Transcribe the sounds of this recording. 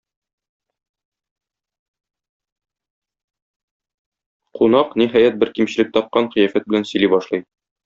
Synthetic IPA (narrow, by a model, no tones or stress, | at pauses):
qunɑqniɦæjæt̪̚bɘɾkimɕɘ̆lɘk̚t̪ɒp̚qɑɴχɤjæfæt̪̚bɘ̆lænsɵ̆libɒʃlˠɤj